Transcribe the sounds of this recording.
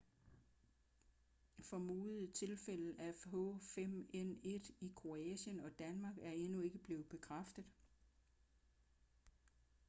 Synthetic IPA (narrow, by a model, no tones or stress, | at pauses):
fɒ̽muːð̩ˠt͡sʰe̝lfel̰ð̩æfɦɔfem̰ene̝d̥ikʰʁo̝ɛɕənɒ̽d̥ænmɑ̈ːɡ̥æɐe̝nue̝ɡ̥əb̥le̝ːð̩ˠb̥e̝kʰʁafd̥əð̩ˠ